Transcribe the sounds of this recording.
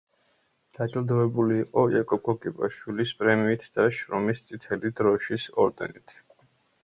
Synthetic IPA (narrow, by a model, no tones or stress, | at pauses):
d̪̥at͡ʃʼld̪ɔɛbuliːqʼɔɛkʼɔkʼɔɡʼipʼa̰ʃwilispʼɾɛmiːt̪ʰd̪̥aʃɾɔmist̪sʼit̪ʰɛlid̪ɾɔʃisɔ̰ɾd̪ɛ̰nit̪ʰ